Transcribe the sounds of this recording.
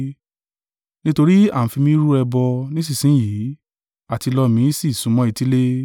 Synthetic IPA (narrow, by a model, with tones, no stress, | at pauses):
nĩ˦to˧ɾi˦ã˨˦fi˧mĩ˦ɾu˦ɛ˧bɔ˧nĩ˦s̬i˦˨sĩ˨˦jiː˨˦ | a˦˨ti˧lɔ˧mĩ˨˦si˦˨sũ˨˦mɔ̃˦i˧ti˦le˦